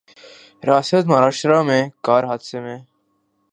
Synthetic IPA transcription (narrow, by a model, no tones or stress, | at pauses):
ɾaːsət̪mɐɾaːʃɾamẽkaːɾɦaːd̪semẽː